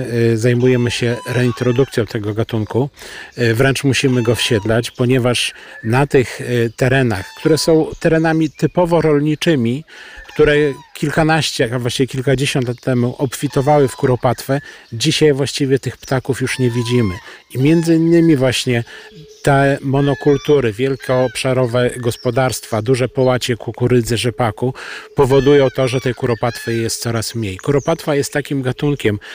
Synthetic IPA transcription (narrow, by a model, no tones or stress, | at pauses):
zajmujɛmɘɕɛɾɛint̪ɾɔd̪uk̚t̪sʲjɔ̃w̃t̪ʰɛɡɔɡat̪uŋku | vɾɛnt͡ʂmuɕimɘɡɔfɕɛd̪lat͡ɕpɔɲɛvaʂnat̪ɘxt̪ɛɾɛnaxkt̪uɾɛsɔ̃w̃t̪ɛɾɛnamʲit̪ɘpɔvɔɾɔlɲit͡ʂɘmʲikt̪uɾɛkʲilkanaɕt͡ɕɛvwaɕt͡ɕivʲɛkʲilkad͡ʑeɕɔ̃nt̪lat̪ːɛmuʔɔpʲfʲit̪ɔvawɘfkuɾɔpat̪fɛd͡ʑiɕajvwaɕt͡ɕivʲjɛt̪ɘxpt̪akufjuʂɲɛvʲid͡ʑimɘimʲjɛnd̪zɘinːɘmʲivwaɕɲɛt̪ɛmɔnɔkult̪uɾɘvʲjɛlkʲɛɔpʂaɾɔvɛɡɔspɔd̪aɾst̪fad̪uʐɛpɔwat͡ɕɛkukuɾɘd̪zɛʐɛpakupɔvɔd̪ujɔ̃w̃t̪ɔʐɛt̪ɛjkuɾɔpat̪fɛjjɛst̪sɔɾasmɲejkuɾɔpat̪fajɛst̪ːakʲimɡat̪uŋkʲɛm